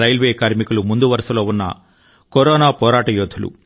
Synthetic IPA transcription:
ɾɐjlʋe̞ːkaːɾmikulumund̪uʋɐɾɐʂɐlo̞ːunːɐ̰ | kɔɾɔːnaːpɔːɾaːʈɐjoːd̪ʰʱulṵ

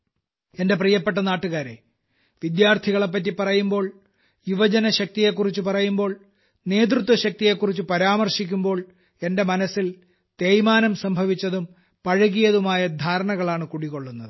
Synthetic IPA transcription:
e̞nde̞prijɐpːe̞ʈ̬ːɐnaːʈːuɣaːɾe̞̰ | ʋid̪jaːrt̪ʰiɣɐɭe̞p̬ːɐt̬ːipːɐrɐjumbo̞ːɭ | juʋɐd͡ʑɐnɐɕɐk̚t̪ije̞kːurit͡ɕːupɐrɐjumbo̞ːɭ | ne̞ːt̪̬rut̪̬ʋɐɕɐk̚t̪ije̞kːurit͡ɕːupɐɾaːmɐrʂikʲːumbo̞ːɭ | e̞nde̞mɐnɐsːil | t̪e̞ːjmaːnɐmsɐmbʱɐʋit͡ɕːɐðum | pɐɻɐɣijɐðumaːjɐd̪ʱaːɾɐɳɐɣɐɭaːɳɨkuɽikːo̞ɭːunːɐðɨ

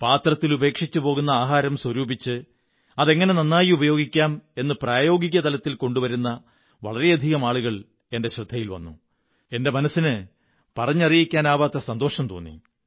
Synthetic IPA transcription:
paːt̪rɐt̪ːilube̞ːkʂit͡ɕːupo̞ːɣunːɐaːɦaːɾɐmswɐɾuːbit͡ɕːɨ | ɐðe̞ŋːɐne̞nɐnːaːjiubɐjo̞ːɡikʲːaːme̞nːɨpraːjo̞ːɡiɣɐt̪ɐlɐt̪ːilko̞ɳɖuʋɐɾunːɐ | ʋɐ̰ɭɐɾe̞jɐd̪ʱiɣɐmaːɭuɣɐɭ | e̞nde̞ɕrɨd̪ʱːɐjilʋɐ̰nːṵ | e̞nde̞mɐnɐsːinɨ | pɐrɐɲːɐrijikʲːaːnaːʋaːt̪ːɐsɐnd̪o̞ːʂɐmt̪o̰ːnːḭ

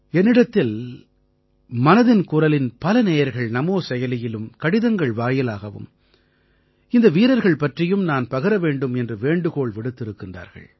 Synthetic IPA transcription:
ɛnːɪɽɐt̪ːɪl | mɐnɐðɪnkʊrɐlɪnpɐlɐneːjɐɾɣɐɭnɐmoːsɛjɐlɪjɪlɯmkɐɽɪðɐŋɡɐɭʋaːjɪlaːɣɐʋɯ̰m | ɪnd̪ɐʋiːɾɐɾɣɐɭpɐʈrɪjɯmnaːnpɐɣɯɾɐʋeːɳɖɯmɛndrɯʋeːɳɖɯɣoːɭʋɪɽɯt̪ːɪɾɯkːɪndra̰ːɾɣɐ̰ɭ

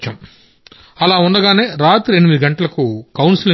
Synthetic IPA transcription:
t͡ʃɐm | ɐlaːunːɐɡaːne̞ːɾaːt̪ɾie̞nimid̪iɡɐɳʈɐlɐkukɐwnsilɐ

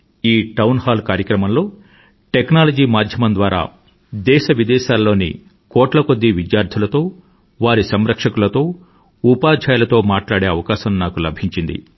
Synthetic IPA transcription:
iːʈɐwnhaːlkaːɾjɐkɾɐmɐmlo̞ː | ʈeknaːlɐd͡ʒiːmaːd̪ʱjɐmɐnd̪ʋaːɾa̰ː | d̪ɛːʃɐʋid̪ɛːʃaːlːo̞ːnḭ | kɔːʈlɐko̞d̪ːiʋid̪jaːɾd̪ʱulɐt̪o̞ː | ʋaːɾisɐmɾɐkʂɐkulɐt̪o̞ː | upaːd͡ʒʱaːjɐlɐt̪o̞ːmaːʈlaːɽe̞ːɐʋɐkaːʃɐmnaːkulɐbʱiɲt͡ʃind̪ḭ

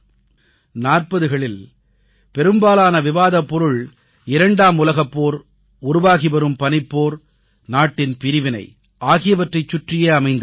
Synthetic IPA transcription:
naːrpɐðɯɣɐɭɪl | pɛɾɯmbaːlaːnɐʋɪʋaːðɐpːɔɾɯɭ | ɪɾɐɳɖaːmʊlɐɣɐpːoːɾ | ʊɾʊʋaːɣipɛɾɯmpɐnɪpːoːɾ | naːʈːɪnpɪɾɪʋɪnɐɪ | ʔaːɣɪjɐʋɐʈrɐɪt͡ʃːʊʈrɪjeːɐmɐɪnd̪ɐ

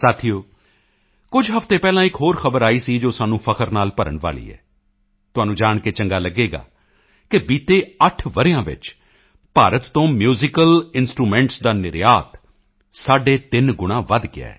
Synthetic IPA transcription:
saːt̪ʰijoː | kʊd͡ʒʱɦəft̪eːpɛːlãːɪkɦoːɾxəbəɾaːiːsiːd͡ʒoːsaːnũːpʰəkʰəɾnaːlpəɾə̰ɳʋa̰ːlḭːɛ̰ː | t̪ʊɦaːnũːd͡ʒaːɳ̃ket͡ʃəŋɡaːləɡeːɡa̰ː | kɪbiːt̪eːəʈʰʋəɾɪjãːʋɪ̰t͡ʃ | paːɾət̪ːõːmjuːzɪkəlɪnsʈɾuːmɛ̃ːɳʈsd̪aːnɪɾjaːt̪ | saːɖeːt̪ɪnɡʊɽ̃ãːʋəd̪ɡɪ̰a̰ːɛː

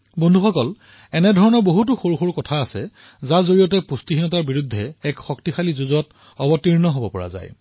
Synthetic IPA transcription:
bondʱuxɔkɔl | ɛnɛdʱɔɹɔnɔɹboɦut̬ʊxoɹuxuɹkɔtʰaːsɛ | zazoɹijɔtɛpustiɦinɔtaɹbiɹudʱːɛɛkxɔktixalizuzɔt | ɔbɔtiɹnɔɦobɔpɔɹa̰za̰j

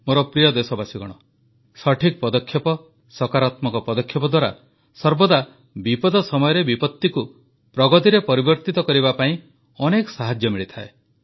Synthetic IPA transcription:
moɾɔpɾijɔd̪esɔbasiɡɔɽ̃ɔ | sɔʈʰikpɔd̪ɔkʰjɔpɔ | sɔkaɾat̪mɔkɔpɔd̪ɔkʰːjɔpɔd̪waɾa | sɔɾbɔd̪a | bipɔd̪ɔsɔmɔjɔɾebipɔt̪ːiku | pɾɔɡɔt̪iɾepɔɾibɔɾt̪it̪ɔkɔɾibapaĩ | ɔnekɔ̥saɦad͡ʒjɔmiɭit̪ʰae

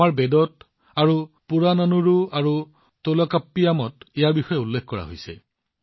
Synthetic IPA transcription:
aɹbedɔt | aɹu | puɹanɔnuɹuaɹu | tolɔkapːijamɔtɛjaɹbixɔjɛulːekʰkɔɹa̰ɦo̰jsɛ̰

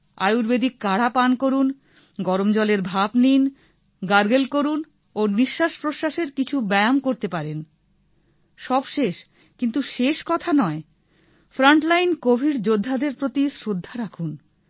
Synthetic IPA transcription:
a̰juɾbed̪ikaɽapankoɾun | ɡɔɾomd͡ʑɔleɾbʱabnin | ɡaɾɡelkoɾun | oniʃːaʃpɾoʃaʃeɾkit͡ɕʰubɛjamkoɾt̪epaɾen | ʃɔbʃeʃ | kint̪uʃeʃkɔt̪ʰanɔe | fɾaɳʈlajnkobʱiɾd͡ʑod̪ʱːad̪eɾpɾot̪isɾod̪ʱːaɾakʰun

